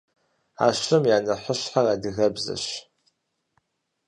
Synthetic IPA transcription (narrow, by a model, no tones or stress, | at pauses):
a̰ːɕɨmjaːnɐħəɕħaradɨɣɐbzɐ̰ɕ